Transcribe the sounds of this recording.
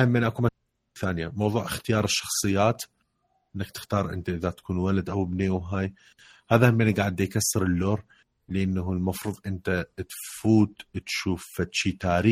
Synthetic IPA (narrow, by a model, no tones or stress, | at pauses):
hamːɪnʔakuma | θaːnɪjamɑwðˤuːʕɪxt̪ɪjɑːɾˤɪʃːɑ̥xsˤɨjːaːt̪ | ʔɪnːakt̪ɪ̥xt̪ɑːɾˤʔɪ̰nt̪aʔɪðat̪ḁkʰuːnwalad̪ʔawbneːwɦaːj | haːðahamːʔɪnːaɡaːʕɪd̪ikasːɾˤɪlːoːɾ | lɪʔanːaʊlmɑfɾuːðˤʔɪnt̪at̪fuːt̪t̪ʃuːfːat̪ʃiːt̪aːɾiː